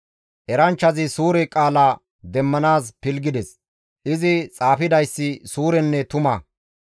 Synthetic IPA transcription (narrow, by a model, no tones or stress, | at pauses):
ʔɛɾɐnt͡ʃːɐzɪsuːɾɛkʼaːlaː | d̪ɛmːɐnaːspɪlɡɪd̪ɛs | ʔɪzɪt͡sʼaːfɪd̪ɐjsːɪsuːɾɛnːɛt̪ʊmɐ